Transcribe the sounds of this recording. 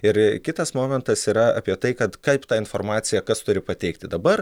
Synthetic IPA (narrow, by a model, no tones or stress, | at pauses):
ɪɾkʲɪt̪ɐsmoːmʲɛnt̪ɐsiːɾɐɑ̰ːpʲiɛt̪ɐɪkɐt̪kɐɪpt̪ɑːɪnformɑːt̪sʲɪjɛkɐst̪ʊɾʲɪpɐt̪ʲɛɪkt̪ʲɪd̪ɐbɐr